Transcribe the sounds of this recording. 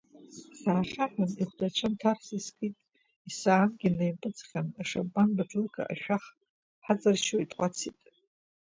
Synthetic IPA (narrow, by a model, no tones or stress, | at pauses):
saːχaħaniχʷdat͡ʃʷʰɨntʰarsiskʼitʼ | isaːnɡʲilejpʼɨd͡zχʲanaʂabanbaʈ͡ʂʰʼurkʰʼa̰ʔa̰ʃᶣaχ | ħad͡zʼarʃoitʼqʷʼat͡sʰitʼ